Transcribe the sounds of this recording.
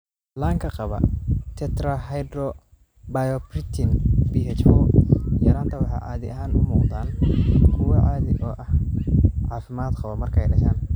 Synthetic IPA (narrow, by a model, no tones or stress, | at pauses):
laːŋkʰɐqɑβɐ̰t̪ʰɛt̪ɾɐɦɛjɖrɔ | bajɔprɪt̪ʰɪnbiɦɛt͡ʃfɔːjɐɾaːnt̪ʰɐwɑħɑjʕɑːðɪ̰ʔɐɦaːnʊmuːqd̪aːnkʰʊwɐʕaːðɪɔːʔɐhʕɑːfɪmaːd̪qɑβɐmɐrkʰɛjɖɐʃaːn